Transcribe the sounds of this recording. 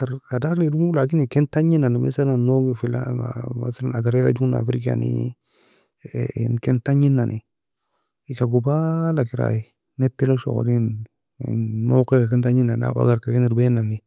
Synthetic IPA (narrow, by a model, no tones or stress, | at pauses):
taɾadaɾnidumulakinikentaɲinanimḛsananoɡefilaa̰ma̰salanaɡaɾelad͡ʒuna̰fɾik̬a̰nḭ | nkentaɲinːanʔḭ | ikaɡubalakiɾa̰ji | netːilaʃo̰ko̰di | nokakakentaɲinana̰ba̰ɡaɾkakiniɾbenani